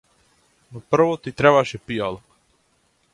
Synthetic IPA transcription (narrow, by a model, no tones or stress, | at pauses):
nopr̩ʋot̪it̪ɾeβaʃɛpijalˠ